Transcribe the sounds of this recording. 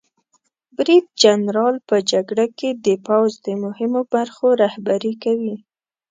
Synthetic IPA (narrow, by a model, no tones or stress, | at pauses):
bɾid̪̚d͡ʒanɾɑlpəd͡ʒaɡɽaked̪əpawzd̪əmʊhɪmobaɾxoɾahbaɾikawi